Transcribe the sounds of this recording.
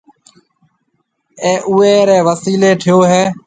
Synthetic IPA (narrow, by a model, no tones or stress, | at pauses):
eːʔuːeːɾeːʋəsiːleːʈʰɪjoːɦeː